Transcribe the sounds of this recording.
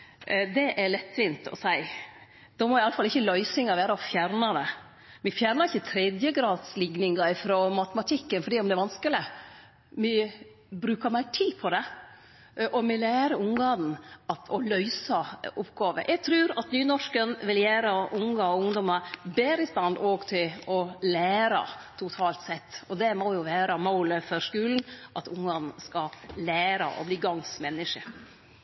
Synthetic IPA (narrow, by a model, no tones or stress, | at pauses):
d̪ɛʔæɾɭɛt̪ʰːʋint̪ʰɔ̰sæɪ | d̪̥ɔmɔɪɑləfɑlɪçːəlœʏsɪŋɑɾʋæːɾəɔfjæɾnɑd̪ɛ | mɪfjæːɾnəɾɪçːət̪ʰɾɛd̪jəɡɾɑːd̪slɪɡnɪŋɑɪfɾɔmɑt̪əmɑt̪ʰɪkːənfɔɾɖ̪iːɔmd̪ɛːʋɑnskəlɪ | mɪ | bɾʉːkəɾmæɪʈʰiːpʰɔd̪ɛ | ʔɔmɪlæːɾəʊŋɡɑːd̪n̩ɑt̪ʰɔlœʏsɑʊpɡɑːʋə̰jʔæɡ̚t̪ʰɾʉːɾɑt̪nyːnɔʂkənʋɪljæːɾəʔʊŋɑɔʊŋd̪ɔməɾbeːɾəɪst̪ɑnd̪oːɡt̪ʰɪlɔlæːɾɑ̰t̪ʰʊt̪ʰɑːlt̪sɛt̪ːɔd̪ɛmɔjʊʋæːɾəmoʊləfɔɾʂkʉːln̩ʔɑt̪ʊŋːɑnn̩skɑlæːɾɑ̰ʔɔ̰bliːɡɑŋsmɛnːɪʂəɾ